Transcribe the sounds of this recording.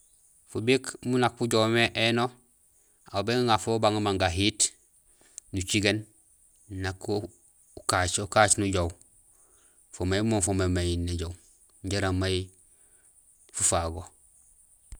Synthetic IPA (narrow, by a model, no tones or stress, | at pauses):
fubikmunakfuɟowmeʔeno | abeŋafobaŋumaŋɡaɦit | nut͡ʃiɡen | nakːo | ukat͡ʃukat͡ʃnuɟow | fomejmofomemajinːeɟow | ɲɟeɾamaji | fufaɡo